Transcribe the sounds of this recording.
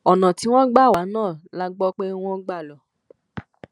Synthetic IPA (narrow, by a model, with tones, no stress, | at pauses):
ɔ˨nã˨ti˨˦w̃ɔ̃˦ɡ͡ba˦˨wa˨˦nãː˦˨la˦ɡ͡bɔ˦k͡pe˦w̃ɔ̃˦ɡ͡ba˦˨lɔ˨